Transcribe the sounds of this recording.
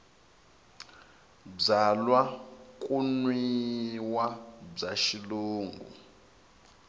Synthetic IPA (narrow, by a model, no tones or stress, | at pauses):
b͡ʐalwakʼunwiwab͡ʐaʃiluːŋɡṵ